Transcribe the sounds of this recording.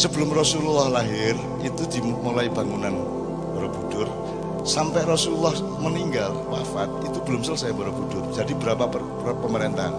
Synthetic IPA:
səbəlʊmrɔsululɔhlaɦɪr | it̪ud̪i̤molaib̥a̤ŋunan | bɔɾob̥ud̥ʊr | sampɛʔrɔsululɔh | məniŋɡalwafat̪̚it̪ub̥əlʊmsəlsajabɔɾob̥ud̥ʊrd͡ʒ̥adibəɾapap | pəməɾent̪a̰h

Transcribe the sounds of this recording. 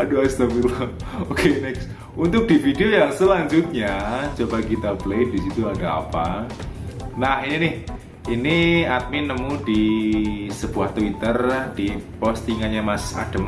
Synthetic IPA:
adoast̪əmil | okʰenɛks | unt̪ʊk̚d̥ifideojaŋsəlaɲd͡ʒut̪̚ɲat͡ʃobakit̪abəlejdisit̪uadaa̰pa | nahɲanɪh | iniat̪̚mɪnːəmudi | səb̥uaht̪wit̪ərd̥ipɔst̪iŋanɲamasa̰d̥əm

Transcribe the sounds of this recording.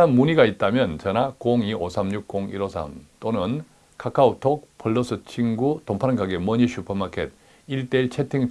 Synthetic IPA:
nanmuɲiɡait̚t͈amjʌnt͡ɕʌnakoŋiʔosʰamɲuk̚k͈oŋḭɾosʰa̰mt͈onɯn | kʰakʰautʰok̚pʰʌɭːʌsʰɯt͡ɕʰiŋɡutompʰaɾnɡaɡemʌɲiɕʰupʰʌmakʰḛt̚ | iɭt͈e̞iɭt͡ɕʰetʰiŋ

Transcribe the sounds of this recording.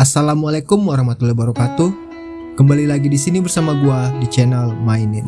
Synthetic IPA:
asalamualakʊmwaɾahmat̪ulabaɾɔkat̪u | kəmbalilaɡidisinibərsamaɡuadit͡ʃɛnalmainɪn

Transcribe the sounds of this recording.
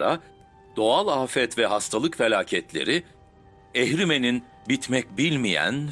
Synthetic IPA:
ɾa̰ | d̪̥o̞alˠafɛt̪vɛɦast̪ʰalˠɯkfe̞lʲaːcʰɛt̪lʲe̞̰ɾi | ɛhɾime̞nin | bit̪mɛc̚bilʲmijæ̰n

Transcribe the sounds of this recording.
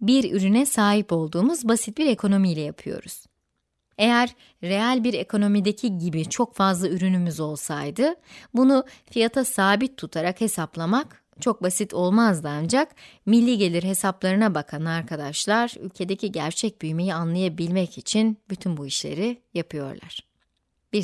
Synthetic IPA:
biɾyɾynɛsaːɦipo̞lˠd̪uːmuzbasit̪̚biɾe̞kʰo̞no̞mijlʲɛjapʰɯjo̞̰ɾuz̥ | e̞jæɾ̥ː | e̞alʲbiɾe̞kʰo̞no̞mid̪e̞cʰiɟibit͡ʃʰo̞kfazlˠayɾynymyzo̞lˠsajd̪ɯbunufijat̪ʰasaːbit̪ʰːut̪ʰaɾakhe̞saplˠamak | t͡ʃʰo̞k̚basit̪ʰo̞lˠmazd̪ɯand͡ʒakmilʲːiɟe̞lʲiɾɦe̞saplˠaɾɯnabakʰanaɾkʰad̪aʃlˠaɾy̰lʲcʰe̞d̪ecʰiɟæɾt͡ʃʰɛc̚byjme̞jianlˠajabilʲmɛcit͡ʃʰinbyt̪ʰynbuiʃlʲe̞̰ɾijapʰɯjo̞̰ɾlˠa̰ɾ̥ | b̥i

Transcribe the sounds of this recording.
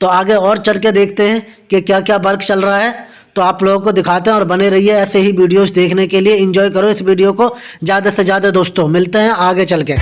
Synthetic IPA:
t̪oːaːɡeɔːɾt͡ʃɐlked̪eːkʰt̪eɦɛ̃ | kekjaːkjaːbɐɾkt͡ʃɐlɾɐɦaɦɛː | t̪oaːploːɡkod̪ɪkʰaːt̪eɦɛ̃ɔːɾbɐneɾɐɦiɦɛɛːseɦiʋiːɖijosd̪eːkʰnekelieɪ̃ɲd͡ʒɔːjkɐɾoɪsʋiːɖijoko | zjaːd̪asezjaːd̪ed̪oːst̪õmɪlt̪eɦɛ̃aːɡet͡ʃɐlkeː

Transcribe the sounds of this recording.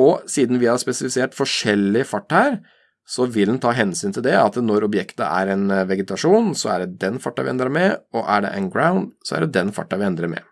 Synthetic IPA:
ɔsiːd̪n̩ʋɪhɑɾspɛsɪlɪseːʈfɔʂɛlːɪfɑʈːhæːɾ | sɔʋɪld̪nt̪ʰɑːɦɛnsyːnt̪ɪld̪ɛɑt̪nɔɾɔbjɛkt̪ə̰ʔæ̰ɾɛɪnʋɛɡɛt̪ɑʂuːnsɔæɖɛd̪ɛnfɑʈːɑʋɪɛ̰nd̪ɾəɾmɛɔʔæɖɛ̰ʔænɡɾaʊnd̪sɔæ̰ɖɛd̪ɛnfɑ̰ʈːɑʋɪɛnd̪ɾəɾmɛ̰

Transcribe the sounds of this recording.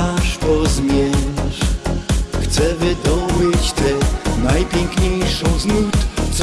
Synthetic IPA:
aʂpɔzmʲjɛɕ | xt̪sɛvɪd̪ɔbɘt͡ɕt̪ɛnajpʲjɛŋkɲejʂɔ̃w̃znut̪t͡s̪

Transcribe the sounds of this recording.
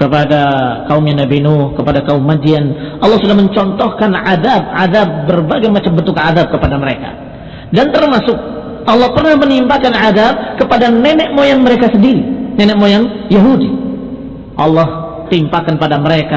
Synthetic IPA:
kəpadakaumɲanabinɔhkəpadakaumːad͡ʒianʔɑlːɑhsudahməɲt͡ʃɔnt̪ɔhkanʕaðab̚ʕaðab̚ːərbaɡajmat͡ʃambənt̪ukaðab̚kəpadaməɾeka̰ | dant̪ərmasʊk̚ | ʔɑlːɑhpərnahmənimpakanʕaðab̚kəpadanɛnɛʔmojaŋməɾekasədiɾinɛnɛʔmojaŋjaɦudi | ʔɑlːɑh | t̪impakanpadaməɾeka

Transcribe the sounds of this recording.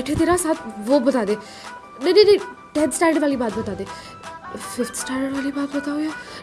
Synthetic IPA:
ɛʈʰeːt̪eːɾaːsaːt̪ʰʋoːbət̪aːd̪eː | neneneʈɛ̃ːdsʈaːɾɖʋaːliːbaːt̪̚bət̪aːd̪eː | fʰɪft̪ʰsʈaːʋaːliːbaːt̪bət̪aːɦojaː

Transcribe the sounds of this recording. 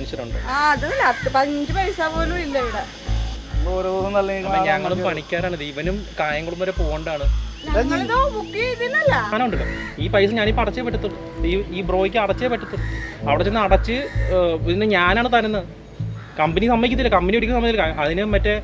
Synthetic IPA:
ɐniɕːɐɾuɳɖɨaːɐðɐɐlːɐt̪ːɨpɐɲd͡ʑɨpɐjsaːpoːnuilːɐʋiɽɐ | noɾooɐnɐlːɐiɲɐŋːɐɭumpɐɳikʲːaːɾaːɳɨd̪ejiʋɐnumkaːjɐŋːɐɭumoɾepoːɣɐɳɖaːɳɨɲːɐt̪omukːieit̪ːinːɐlːɐt̪ɐnɐuɳɖɨɣɐ̰iːpɐjsɨɲaːniːpɐrɐt͡ɕːepɐʈːɐt̪ːuɭːɐ | iiːbro̞ːikʲːɨɐɽɐt͡ɕːepɐʈːut̪ːuɐʋiɽet͡ɕːenːɐɽɐt͡ɕːɨ | ðinɨɲaːnaːɳɨt̪ɐnenːɐɨ | kɐmbɐnisɐmːɐikːut̪ːilːɐkɐmbɐnieɽikʲːɐsɐmːɐːilkaɐðinɨmpɐtːe

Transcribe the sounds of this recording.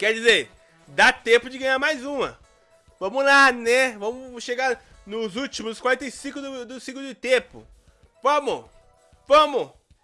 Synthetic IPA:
kɛɾd͡ʒizeɾ | d̪at̪ẽpʊd͡ʒɪɡɐ̃ɲaɾmajzũmɐ | vɐ̃mʊlanɛvɐ̃mʊʃeɡaɾ | nʊzut͡ʃimʊskwaɾẽnt̪ejsĩkʊd̪ʊd̪ʊsĩklʊd͡ʒɪt̪ẽpʊ̰ | vɐ̃mʊ | vɐ̃mʊ

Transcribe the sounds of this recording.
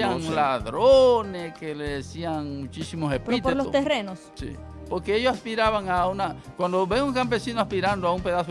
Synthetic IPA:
aŋlaðɾoneskeleðesiaŋmut͡ʃisimosepit̪eloo̰t̪erenossḭ | po̞ɾkeeʝosaspiɾaβaŋaunakwand̪oβe̞ŋuŋkampe̞sinoaspiɾand̪oaumpe̞ðaso

